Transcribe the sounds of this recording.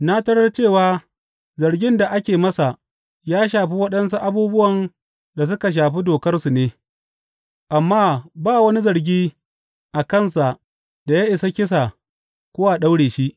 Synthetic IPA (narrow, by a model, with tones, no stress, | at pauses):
na˦tɐ˦ɽɐ˦rt͡ʃeː˦˨waː˦ | zɐ˨rɡʲɪ˦nda˨ʔa˦kʲeː˨mɐ˦sa˨ʔ | jaː˦ʃ̬aː˨ɸi˦wɐ˦ɗɐ˦nsu˦ʔa˦buː˦bʊ˦wɐ˨n | da˨s̬ʊ˦ka˨ʃ̬aː˨ɸi˦doː˨kɐ˦rsu˨neː˦ | ʔa˨mːaː˦baː˦wɐ˦ni˦zɐ˨rɡʲiː˦ | ʔa˨kɐ˦˨nsa˨ʔ | da˨jaː˦ʔɪ˨sa˦kʲɪ˦s̬a˨ | kʷʊ˦wa˨ɗa˦wɽeː˨ʃi˦ʔ